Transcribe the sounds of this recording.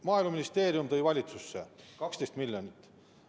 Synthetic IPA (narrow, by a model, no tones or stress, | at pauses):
mɑːilmɑminist̪e̞ːɾjumt̪ɤjvɑlʲit̪susːekɑkst̪est̪milʲjonit̪ːˑ